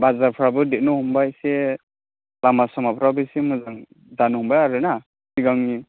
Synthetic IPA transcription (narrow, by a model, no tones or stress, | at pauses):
bazaɾpʰɾabɯdet̚nɔhumbajse | lamasɔmapʰɾabɯsimɯzaŋ | danɔɦumbajaɾɯna | siɡaŋni